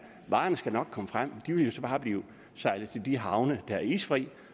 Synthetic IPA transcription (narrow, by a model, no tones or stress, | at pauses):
ʋɑ̈ːnəsɡ̥ænɒ̽ɡ̥̚kʰɒ̽məfʁam̰d̥iʋe̝ljo̝sɒ̽b̥ɑ̈ːb̥liːʊ | sɑ̈ɪlð̩ˠt͡sʰe̝ld̥iɦɑ̈ʊnəd̥æɐḭːsfʁḭː